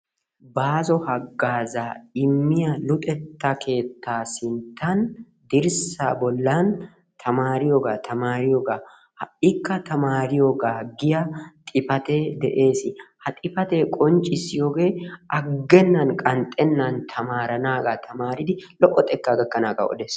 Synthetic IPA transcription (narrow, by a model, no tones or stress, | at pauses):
baːzɔhɐɡːaːzaːɪmːɪjɐlʊt̪ʼɛt̪ːakʰe̞ːt̪ːaːsɪnt̪ːɐn | d̪ɪɾsa̰ːbɔlːaːn | t̪ʰɐmaːɾɪjoːɡaːt̪ʰɐmaːɾɪjoːɡaː | hɪkːɐt̪ɐmaːɾɪjoɡaːɡɪjɐt̪ʼɪfɐt̪eːd̪ɛʔe̞ːsɪhɐt̪ʼɪfɐt̪eːkʼɔnt͡ʃʼɪsɪjoːɡe̞ːʔɐɡːɛnːɐnkʼɐnt̪ʼːɛnːant̪ʰɐmaːɾɐnaːɡaːt̪ʰɐmaːɾɪd̪ɪlɔʔɔt̪ʼɛkːaɡɐkːɐnaːɡɐ̰ʔɔ̰d̪ɛːs